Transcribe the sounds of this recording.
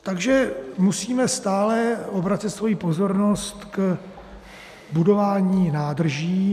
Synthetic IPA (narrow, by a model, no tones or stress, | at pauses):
t̪aɡʒɛmusiːmɛst̪aːlɛʔo̞bɾat͡sɪt̪svo̞jiːpo̞zo̞ɾno̞st̪k | budo̞vaːɲiːnaːdr̩ʒiː